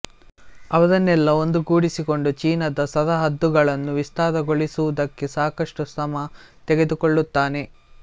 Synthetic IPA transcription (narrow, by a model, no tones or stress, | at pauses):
ɐʋɐd̪ɐnːɛlːɐo̞nd̪uɡuːɽisiko̞ɳɖut͡ʃiːnɐd̪ɐsɐd̪ɐɦɐd̪ːuɡɐɭɐnːuʋist̪aːd̪ɐɡoɭisuʋud̪ɐkːe̞saːkɐʂʈusɐmɐ | t̪eɡe̞d̪ukoɭːut̪ːaːne̞